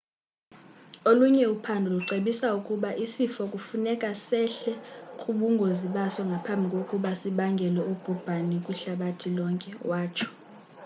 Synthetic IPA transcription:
oluɲɛupʰandʱuluǀeɓisaukʼuɓaʔisifɔkʼufunɛkʼasɛɬɛkʼuɓuŋɡʱoziɓasɔŋɡʱapʰambʱikʼokʼuɓasiɓaŋɡʱɛlɛub̥ʱub̥ʱanikʼuɬaɓatʰilɔŋkʼɛwaːt͡ʃʰɔ̥

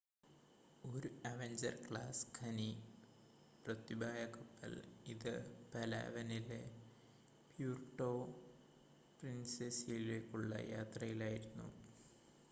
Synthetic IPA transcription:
oɾuɐʋeɲd͡ʑɐ̰rkɭaːskʰɐni | prɐt̪ibʱaːjɐkɐpːɐ̰liðɨpɐla̰ʋɐnile | pjuːrʈːo̞ː | prinsesijileːkʲːuɭːɐ̰jaːt̪rɐjilaːjiɾunːṵ

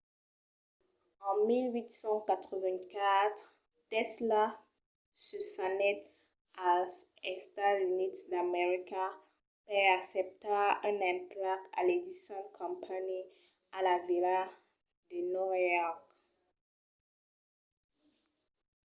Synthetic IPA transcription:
ɑ̃milwit̪sɑ̃kat̪χəvɛ̃kat̪χ | t̪ɛsla | səsanɛt | asɛst̪azynidd̪ameʁika | pɛaksɛp̚t̪aɛ̃nɛ̃plaka̰led̪isjɔ̃dkʰɔ̃mpʰani | alavila | d̪ənɔʁjɔk

